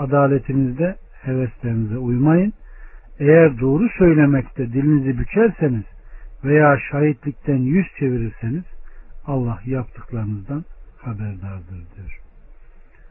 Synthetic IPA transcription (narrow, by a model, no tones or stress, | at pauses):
ad̪aːlʲet̪ʰinizd̪ɛ | hevɛst̪lʲeɾinizɛujmajɯnejæɾd̪o̞ːɾusø̞jlʲe̞mɛct̪ʰɛd̪ilʲinizibyt͡ʃʰæɾse̞niz̥vejaːʃaːjit̪lʲic̚t̪ænjyzt͡ʃʰe̞viɾiɾse̞niz̥alˠːahjapt̪ʰɯklˠaɾɯnɯzd̪anhabæɾd̪aɾd̪ɯɾd̪ɯɾ̥